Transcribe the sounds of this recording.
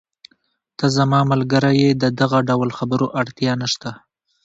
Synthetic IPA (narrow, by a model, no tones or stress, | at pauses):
t̪azamɑmalɡəɾajed̪əd̪aɣaɖawlxabəɾoʔaɽt̪jɑnaʃt̪a